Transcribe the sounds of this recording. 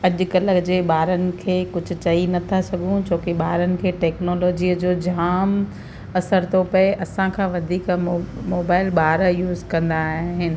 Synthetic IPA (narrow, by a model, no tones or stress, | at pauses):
ɐʄʊ̆kɐləd͡ʑeːɓaːɾənɪ̆kʰeːkʊd͡ʑʱʊ̆t͡ɕɐinɐt̪ʰasɐɡʱũt͡ɕoːkeɓaːɾənɪ̆kʰeːʈɛːknoːloːd͡ʑiːəd͡ʑoːd͡ʑʱaːm | ɐsəɾt̪opɐeʔɐsãkʰãːʋɐd̪ʱiːkmoːbaːɪlɓaːɾjuːzkɐ̃nd̪aːɦɦɪnɪ̆